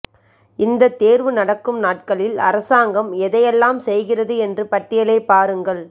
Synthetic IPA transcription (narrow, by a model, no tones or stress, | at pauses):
ɪnd̪ɐt̪ːeːɾʋɯnɐɽɐkːɯmnaːʈ̚kɐɭɪlɐ̰ɾɐsaːŋɡɐmɛðɐjɛlːaːmsɛjɣɪrɐðɯɛndrɯpɐʈːɪjɐlɐːpaːɾɯŋɡɐɭ